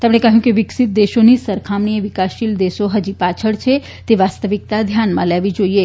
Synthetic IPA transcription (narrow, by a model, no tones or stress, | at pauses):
t̪emɽ̃ekəɦjũkeʋɪksit̪̚d̪eʃonisəɾkʰamɳijəʋikaʃild̪eʃoɦəd͡ʒipat͡ʃʰəɭt͡ʃʰe | t̪eʋast̪əʋik̚t̪ad̪ʱjanmã̰lɛʋid͡ʒoie